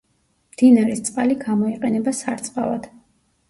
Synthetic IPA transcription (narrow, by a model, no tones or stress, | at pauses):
md̪̥inaɾist̪sʼqʼaliɡamɔiqʼɛnɛbasaɾt̪sʼqʼa̰va̰d̪̥